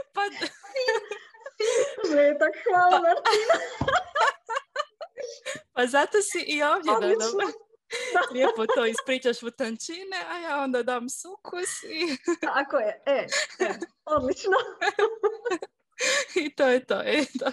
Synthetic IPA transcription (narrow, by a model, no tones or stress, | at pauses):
pa | nɛet̪akxʋalamaɾtina | pazat̪osiʔioːʋd̪jed̪ad̪ | lepot̪oːispɾiːt͡ʃaʃut̪ant͡ʃineajaːond̪ad̪aːmsukʰusiakojeɛ | od̪lit͡ʃno | it̪oːjet̪oːet̪o